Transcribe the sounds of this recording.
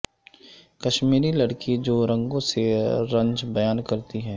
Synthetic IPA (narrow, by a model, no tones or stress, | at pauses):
kɐʃmiːɾilɐɽkid͡ʒoːɾɐ̃ŋɡõseɾɐ̃ɲd͡ʒbɐjaːnkɐɾt̪iɦɛː